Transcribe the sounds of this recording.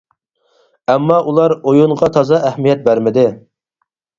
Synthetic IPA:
ɛmːɑʔulˠɑɾojunʁɑt̪ʰɑzɑʔæhmijɛt̪̚bæɾmɪd̪ɪ

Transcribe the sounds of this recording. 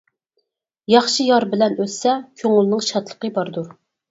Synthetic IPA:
jɑχʃijɑɾbɪlɛnøssɛkʲʰøŋʊlˠnɨŋʃɑt̪lˠə̥qəbɑɾd̪uɾ

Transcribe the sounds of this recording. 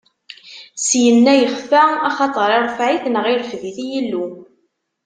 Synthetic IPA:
sjənːæjəχfæɑχɑt̪ˤəɾˤɪɾˤəfʕiθnəʁɪɾfðiθijəlːu

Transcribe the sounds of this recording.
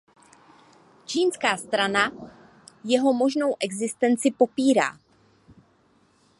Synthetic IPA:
t͡ʃiːnskaːst̪ɾana | jɛɦo̞mo̞ʒno̞wʔɛɡzɪst̪ɛnt͡sɪpo̞piːɾa̰ː

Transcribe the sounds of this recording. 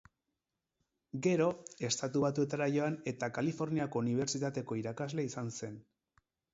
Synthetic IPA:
ɡe̞ɾo̞e̞st̪at̪uβat̪̬ue̞t̪aɾaʝo̞ane̞t̪akalifo̞ɾniako̞uniβ̞e̞ɾt͡ʃit̪at̪e̞ko̞iɾakazle̞isanse̞n

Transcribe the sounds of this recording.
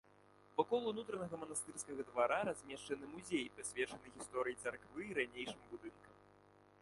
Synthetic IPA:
vakɔlˠunut̪ɾɐnɐɣɐmɐnast̪ɨrskɐɣɐd̪vaɾaɾazʲmʲɛʂt͡ʂɐnɨmuzʲejpɾɐsʲvʲɛt͡ʂɐnɨɣʲist̪ɔɾɨjit̪sarkvɨːɾanʲejʂɨmbud̪ɨnkɐm

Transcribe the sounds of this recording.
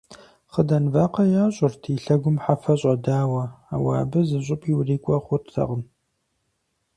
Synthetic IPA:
χədɐnvaːqɐjaːɕʼʊrtʰiːɬɐɡʷʊmħafɐɕʼɐdaːwɐaːwa̰ːbɨzɨɕ̬ʼʊpʼiwriːkʷʼɔχʷʊrtʰɐ̰ʁəm

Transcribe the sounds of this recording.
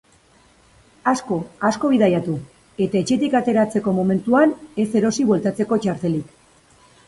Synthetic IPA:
asko̞asko̞βiðajat̪u | e̞t̪ae̞t͡ʃe̞t̪ikat̪e̞ɾat͡se̞ko̞mo̞me̞nt̪uane̞se̞ɾo̞siβwe̞lt̪at͡se̞ko̞t͡ʃaɾt̪e̞lik

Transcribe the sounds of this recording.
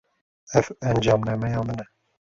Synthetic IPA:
ɛvɛnd͡ʒɑːmnɛmɛjɑːmɨnɛ

